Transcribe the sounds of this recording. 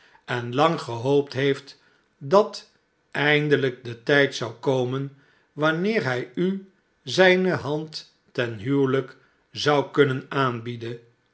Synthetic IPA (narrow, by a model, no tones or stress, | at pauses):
ɛnlɑŋχəɦowp̚tɦejft | dɑt | ɛjndələk̚dətɛjtsɑwkowmən | ʋɑnɪːɹɦɛjy | zɛjnəɦɑntː | ɛnɦyːlək | zɑwkɵnənaːnbidən